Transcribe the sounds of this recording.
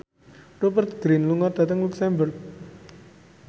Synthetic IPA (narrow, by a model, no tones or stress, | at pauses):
robərt̪̚ɡ̥ɾinluŋɔt̪̚d̪̥at̪əŋluksɛmbərk̚